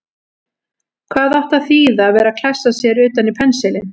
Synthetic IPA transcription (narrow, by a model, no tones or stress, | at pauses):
kʰvaːðaht̪aθiːðaːvɛːɾakʰl̥ɛsasjɛɾʏːt̪anipʰɛnsɛlɪn